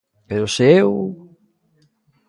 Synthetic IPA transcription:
peɾʊsew

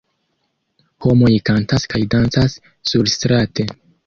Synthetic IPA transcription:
ho̞mo̞jkantaskajdant͡sasː | uɾstɾate̞

